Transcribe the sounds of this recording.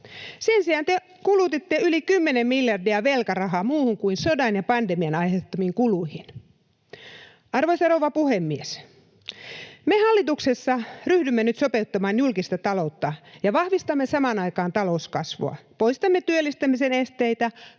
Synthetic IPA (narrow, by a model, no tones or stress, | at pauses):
sensiɑnt̪e | kulut̪it̪ːeylikymːenemmiljɑrdiɑʋelkɑrɑɦɑmuːhuŋkuinsodɑnjɑpɑndemiɑnɑjhet̪ːɑmiŋkuluhin | ɑrʋoisɑrowʋɑpuhemːies | mehɑlːit̪uksesːɑryhdymːenyt̪sopeut̪ːɑmɑːnjulkist̪ɑt̪ɑlout̪ːɑjɑʋɑhʋist̪ɑmːesɑmɑnɑikɑːnt̪ɑlouskɑsʋo̰ɑ̰poist̪ɑmːet̪yølːist̪æmːisenest̪eit̪æ